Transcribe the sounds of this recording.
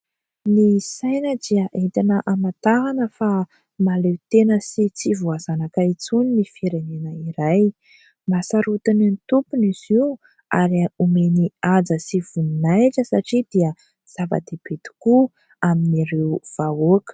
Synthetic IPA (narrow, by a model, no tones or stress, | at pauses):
nisajnəd̪iəʔent̪inəʔamat̪aɦanəfa | malewt̪enəsit͡sivuazanakait͡suninifeɾenenəiɾaj | masaɾut̪ininit̪upuniz̥iu | aɾiaumeniad͡zəsiv̥unnajʈ͡ʂəsaʈ͡ʂid̪̥iə | z̥ava̰d̪eb̥et̪i̥ku | aminiɾewv̥aokə̥